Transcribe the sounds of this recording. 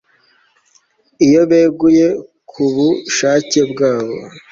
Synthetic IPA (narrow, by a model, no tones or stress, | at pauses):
ijo̞βe̞ːɡuje̞ | kʰuβuʃaːce̞bɡaːβo̞